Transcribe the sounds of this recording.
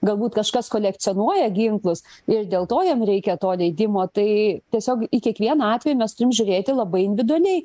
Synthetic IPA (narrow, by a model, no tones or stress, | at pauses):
ɡɐlˠbuːt̪kɐʃkɐskoːlʲɛktt͡s̪ʲɪoːnuɔjɛɡʲɪŋklˠʊsɪɾd̪ʲeːlˠt̪oːjɛmɾʲɛɪkʲɛt̪oːlʲɛɪd̪ʲɪmoːt̪ɐɪt̪ʲiɛsʲoːkɪkʲiɛkʋʲiɛnɑɑːt̪ʲʋʲɛjumʲɛst̪ʊɾʲɪmʒʲʊɾʲeːt̪ʲɪlˠɐbɐɪɪnʲdʋʲɪd̪ʊɐlʲɛɪ